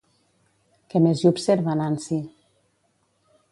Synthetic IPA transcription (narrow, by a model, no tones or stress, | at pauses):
kemezupseɾβanansi